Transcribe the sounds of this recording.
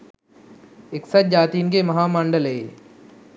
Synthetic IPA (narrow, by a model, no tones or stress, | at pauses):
ɪksɐt͡ʃ̚d͡ʒaːt̪iːnkeːmɐɦaːmãːɳɖəlɦeː